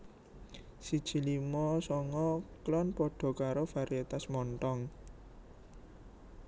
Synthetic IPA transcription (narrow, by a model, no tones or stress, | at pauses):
sid̥ʒ̥i̤limɔsɔŋɔklɔnpɔɖ̥ɔ̤kaɾofaɾiet̪asmɔnt̪ɔŋ